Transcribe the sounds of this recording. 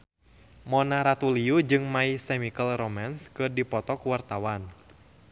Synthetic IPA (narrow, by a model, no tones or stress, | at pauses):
mɔnaɾat̪uliud͡ʒɨŋmaisɛmikəlrɔmanskɨrdipɔt̪ɔkuwart̪awan